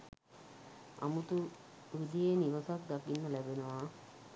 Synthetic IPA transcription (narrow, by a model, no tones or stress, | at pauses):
a̰mut̪u | ud̪ijeniʋəsak̚d̪akinːəlæbenəʋaː